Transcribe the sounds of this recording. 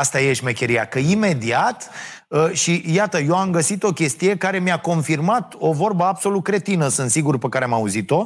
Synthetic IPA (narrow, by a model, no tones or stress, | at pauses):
ast̪ajeʃmekʲe̞ɾijakəime̞d̪iat̪ | əʃijat̪əjo̞amɡəsit̪o̞kʲe̞st̪ije̞kaɾe̞miako̞nfirmat̪o̞vo̞rbəabso̞lut̪̚kɾe̞t̪inəsɨnt̪siɡurpəkaɾeamauzit̪o̞